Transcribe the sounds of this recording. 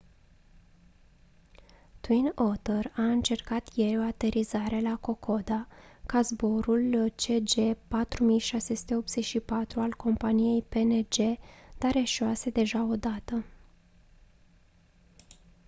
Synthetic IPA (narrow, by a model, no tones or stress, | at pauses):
t̪winot̪əraɨnt͡ʃe̞rkat̪je̞ɾʲo̞at̪e̞ɾʔizaɾe̞lako̞kʰo̞d̪akazbo̞ɾult͡ʃe̞d͡ʒe̞pat̪ɾumijʃase̞su̥t̪e̞o̞p̚t̪z̥e̞ʃipat̪ɾualko̞mpanije̞jpe̞ned͡ʒe̞d̪̥aɾe̞ʃoase̞d̪e̞ʒao̞d̪at̪ə